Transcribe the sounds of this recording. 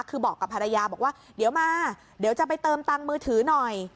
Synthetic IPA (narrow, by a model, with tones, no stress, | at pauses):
kʰːɯː˧bɔː˨˩kːa˨˩pʰa˧ɾa˧jaː˧bɔː˨˩k̚waː˥˩ | di˩˦wmaː˧ | di˩˦wt͡ɕa˨˩pa˧jt̪ɤː˧mt̪a˧ŋmɯː˧t̪ʰɯː˩˦nɔ˨˩j